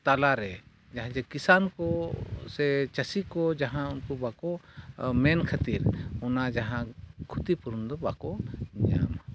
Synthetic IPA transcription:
t̪alaɾɛ | d͡ʒaɦãd͡ʒakisankɔsɛt͡ʃəsikɔd͡ʒaɦãunkɔbakɔmɛnkʰat̪iɾɔnad͡ʒaɦãkʰut̪ipuɾund̪ɔbakɔɲa̰m

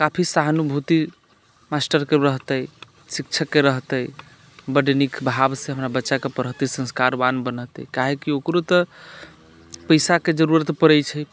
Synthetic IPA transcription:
kapʰisaɦənubʱut̪i | masʈəɾkeɾəɦt̪əj | sik̚t͡ʃʰəkːeɾəɦt̪əj | bəɖnikbʱabsẽɦəmɾabətːʃakepəɾɦət̪isə̃nskaɾʋanbənət̪ɛ̰kaɦekiokɾot̪ə | pəjsaked͡ʒəɾuɾət̪pəɾəjt͡ʃʰəj

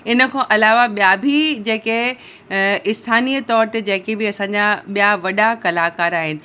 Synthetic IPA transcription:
ɪnə̆kʰãːʔɐlaːʋaɓijabʱid͡ʑeːke | ɪst̪ʰaːniːt̪ɔːɾt̪ed͡ʑɐ̃ːkebiɐsãːɲd͡ʑaɓijaʋɐɗakɐlaːkaːɾaːɦɪnɪ̆

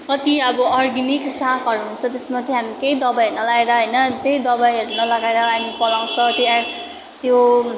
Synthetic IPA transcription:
mʌt̪iʌbʌʌrɡiniksãkʌɾuɦunt͡sʰʌt̪esmat̪ʰeɦamikejd̪ʌbajʌunʌlaɡeɾʌɦʌjnʌt̪jejd̪ʌbajʌɾunʌlʌɡaeɾʌɦamipʌlaw̃sʌt̪joa | t̪jo

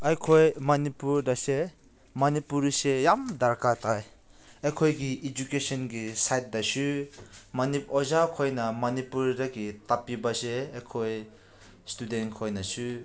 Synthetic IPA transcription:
ajkʰojmɐnipuɾdɐse | mɐnipuɾsejamdɐɾkatʰaj | ejkʰojɡiːd͡ʒukesɔnɡisajt̚dɐsumɐnipɔzakʰojnɐmɐnipuɾdɐɡitapibɐseejkʰoj | studenkʰojnɐsu

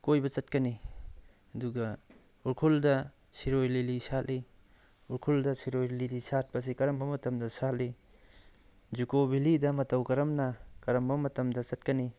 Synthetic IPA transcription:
kojbɐt͡ʃɐt̚kɐni | ɐduɡɐ | uɾkʰuldɐ | siɾojlilisalli | uɾkʰuldɐsiɾojlilisat̚pɐs̬ikɐɾɐmbɐmɐtɐmdɐsalli | d͡ʒukobilidɐmɐtɐwkɐɾɐmnɐkɐɾɐmbɐmɐtɐmdɐt͡ʃɐtkɐni

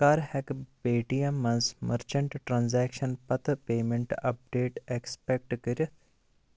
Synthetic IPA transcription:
kaːɾhɛkbeːʈijɐmːɐnsmɐɾt͡ʃɐɳʈʈɾaːnzɛːkʃɐnpɐt̪peːmẽɳʈɐp̚ɖeːʈekspek̚ʈkiɾʲ

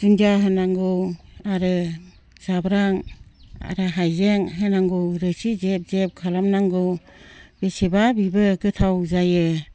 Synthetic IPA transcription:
zuŋd͡ʒaɦɯnaŋɡoaɾɯ | z̥abɾaŋa̰ɾɯɦajzeŋɦɯnaŋɡuɾɯsizep̚zep̚kʰalamnaŋɡɯ | b̥esebabibɯɡɯtʰawzajɯ

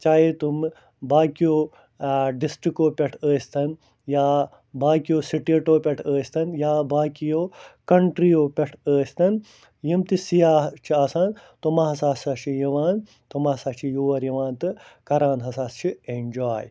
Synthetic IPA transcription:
t͡ʃaːjet̪um | baːkijoː | ɖisʈɾikoːpʲeʈʰəːst̪ʰɐn | jaː | baːkijoːsiʈeːʈoːpʲeʈʰəːsʲt̪ɐnjaːbaːkijoːkɐɳʈɾijoːpʲeʈʰəːst̪ɐn | jimt̪isijaːt͡ʃʰiaːsaːnt̪omɐːɐsaːsaːt͡ʃʰijɐʋaːn | t̪omɐsaːt͡ʃʰijuːʋɐɾjɐʋãːnt̪ɨkɐɾaːnɦɐsaːst͡ʃʰiend͡ʒaːj

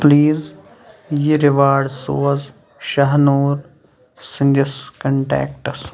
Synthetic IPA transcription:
pliːz | jiɾɪʋaːɖsoːz | ʃɐɦnoːɾ | sɐ̃nd͡ʒɐskɐ̃ɳʈɛ̰ːk̚ʈɐs

